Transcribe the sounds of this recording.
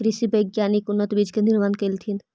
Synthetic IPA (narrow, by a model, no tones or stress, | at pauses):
ɾɪʃibɐjɡjaːnikʊnːət̪biːd͡ʒkenɪɾmaːnkɐlt̪ʰin